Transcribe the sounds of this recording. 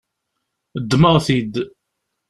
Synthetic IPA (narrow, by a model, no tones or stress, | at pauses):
əd̪ːməʁθid̪